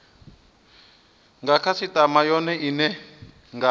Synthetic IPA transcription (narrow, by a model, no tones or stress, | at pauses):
ŋɡakʰasit̪amajɔnɛʔinɛ | ŋɡa